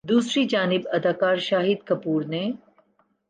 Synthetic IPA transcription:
d̪uːsɾid͡ʒaːnɪbɐd̪aːkaːɾʃaːɦɪd̪kɐpuːɾne

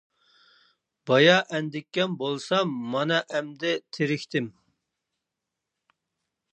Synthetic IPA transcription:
bɑjɑʔɛnd̪ɪkʲːɛmbolˠsɑmːɑnɑʔɛmd̪ɛt̪ʰeɾɪkʲt̪ɪm

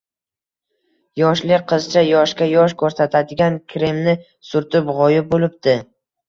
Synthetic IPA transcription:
jɒʃlɪqʰɨzt͡ʃʰajɒʃkʲajɒʃ̬kʰɵɾsat̪ʰad̪ɪɡʲankʲʰɾemnɪ | sʊɾt̪ʰɪpʁɒjɪp̚bolɪp̚d̪ɪ

